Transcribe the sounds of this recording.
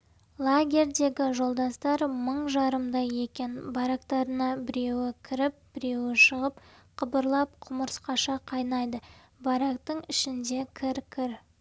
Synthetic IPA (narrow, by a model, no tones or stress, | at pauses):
lˠaɡʲe̞ɾd̪e̞ɡʲɪʒo̞lˠd̪ɑst̪ɑɾməɴʒɑɾəmd̪ɑje̞kʲe̞nbɑɾɑkt̪ɑɾənɑbɪɾe̞wɪkʲʰɪɾɪp̚b̥ɪɾe̞wɪʃəʁəp | qʰəbəɾlˠɑp̚qʰʊməɾsqɑʃɑqʰɑjnɑjd̪ə | bɑɾɑkt̪əɴɪʃɪnd̪e̞kʲʰɪɾkʲʰɪɾ